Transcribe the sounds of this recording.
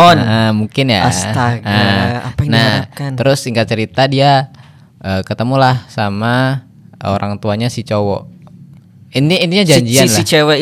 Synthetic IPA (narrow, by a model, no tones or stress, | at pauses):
ɔnəmuŋkɪnja̰ast̪aɡəapanaahkanəɾʊsiŋɡat̪̚t͡ʃəɾit̪adia | ʔəkət̪əmulahsama | o̰ɾʔaŋt̪uaɲasit͡ʃowɔ̰ | iniːniɲad͡ʒaɲd͡ʒianlait͡ʃewɛ